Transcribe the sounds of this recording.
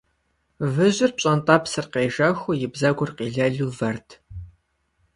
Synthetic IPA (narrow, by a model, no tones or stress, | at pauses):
vɨʑɪrpɕʼɐntʼɐpsɨrqeːʒɐxʷʊjɪbzɐɡʷʊrqiːɮɐɮuːvɐrtʰ